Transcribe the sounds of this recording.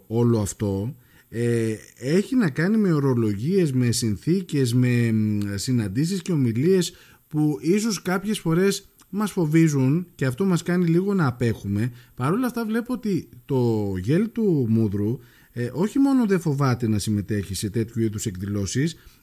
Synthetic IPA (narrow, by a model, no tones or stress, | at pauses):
o̞lo̞ɐft̪o̞ | ee̞çinɐkɐnime̞o̞ɾo̞lo̞ʝie̞zme̞sinθice̞zme̞sinɐnd̪isisce̞o̞milie̞s | puis̬o̞skɐpçe̞sfo̞ɾe̞s | mɐsfo̞vizunce̞ɐft̪o̞mɐskɐniliɣo̞nɐːpe̞xume̞pɐɾo̞lɐft̪ɐvle̞poot̪it̪o̞ʝe̞lt̪umuðɾu | ʔo̞çimo̞noðe̞fo̞vɐt̪e̞nɐsime̞t̪e̞çise̞t̪e̞t̪çuiðuse̞kðilo̞sis